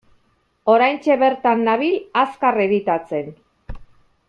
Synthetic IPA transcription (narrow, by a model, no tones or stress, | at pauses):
o̞ɾajnt͡ʃe̞βe̞ɾt̪anːaβilaskareðit̪at͡se̞n